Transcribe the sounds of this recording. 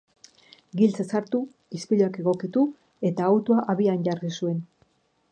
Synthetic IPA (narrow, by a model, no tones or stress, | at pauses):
ɡilt͡sesaɾt̪u | ispiʎoake̞ɣo̞kit̪u | e̞t̪aːwt̪uaʔaβianɟarɣisue̞n